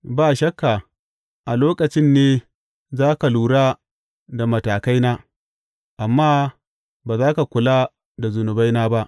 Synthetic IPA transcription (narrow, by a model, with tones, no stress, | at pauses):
baː˦˨ʃɐ˦kːa˨ | ʔa˨loː˦kɐ˨t͡ʃɪ˦nːeː˦ | zaː˦ka˨luː˨ɽaː˦ | da˨mɐ˨taː˨ka˦jnaː˦ | ʔa˨mːaː˦ | baː˨zaː˦ka˨kʷʊ˨laː˦ | da˨zʊ˨nʊ˨ba˦jnaː˦ba˦ʔ